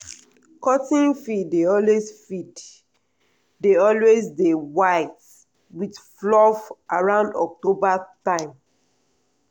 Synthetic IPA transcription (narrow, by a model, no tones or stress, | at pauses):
kɔtĩnfideɔlwesfit | deɔlwezdewaɪt | widflɔfʔaɹãʊ̃ndɔk̚tobatãɪ̃m